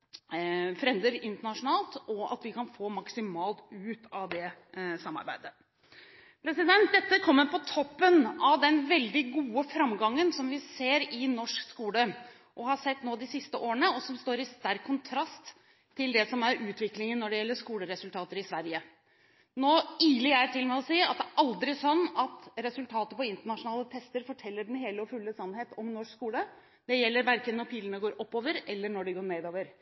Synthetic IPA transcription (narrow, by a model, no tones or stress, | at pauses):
fɾɛnd̪əɾɪnt̪əɳɑʂʊnɑːlt̪ɔɑ̰t̪ʋɪkʰɑnfoːmɑksɪmɑːlt̪ʉːt̪ɑʋd̪ɛsɑmːɑ̰ɾbæɪd̪ə | pʰɾɛsɪd̪ɛnt̪̚d̪ɛt̪ːəkʰɔmːəɾpʰɔt̪ʰɔpːənɑʋd̪ɛnʋɛld̪ɪɡuːəfɾɑmɡɑŋːənsɔmʋɪseːɾɪnɔʂkskuːlə | ʔɔhɑsɛt̪ːnoːd̪ɪsɪst̪əʔoːɾəɳəɔsɔmst̪oːɾɪst̪æɾkʰːʊnt̪ʰɾɑst̪ʰː | ɪld̪ɛsɔmæɾʉːt̪ʋɪklɪŋənːɔɖɛjɛlːəʂkuːləɾɛsʉlt̪ʰɑːt̪əɾɪsʋæɾjə | noːiːlɪæɪt̪ʰɪlmɛɔsiːɑ̰t̪̚d̪æɾʔɑld̪ɾɪsɔnːɑt̪ɾɛsʉlt̪ʰɑːt̪əpɔɪnt̪əɳɑʂʊnɑːlət̪ʰɛst̪əɾfɔʈʰɛlːəɖɛnɦeːləɔfʉlːəsɑnːheːt̪ɔmnɔʂkskuːlə | d̪̥ɛjɛlːəɾʋæɾkənːɔɾpʰiːlənəɡoːɾʔɔpːoːʋəɾɛlːəɳɔɖɛɡoːɾɳeːd̪oːʋəɾ